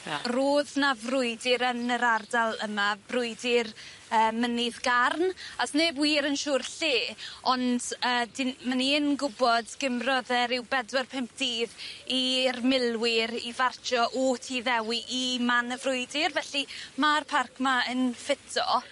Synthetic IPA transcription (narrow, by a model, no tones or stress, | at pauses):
roːðnavrʊɨdɪɾənəɾardalˠəmab̥rʊɨdɪr | əːmənɪðɡarnasneːbwiːɾənʃʊːrɬeːɔndəːdɪnməniənɡʊbɔdɡ̥ɪmrɔðɛɾɪwbɛdwɛrpʰɛmp̚ʰd̥iːðirmɪlˠwɪɾivart͡ʃʰɔʔɔtʰiðɛwiʔimanəvrʊɨdɪrvɛɬimarpʰarkʰmaənfɪtʰɔ̰